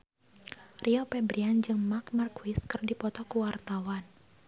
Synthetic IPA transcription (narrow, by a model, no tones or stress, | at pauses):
rʔiɔpɛbɾiand͡ʒɨŋmakmarkuwiskɨrdipɔt̪ɔkuwart̪awan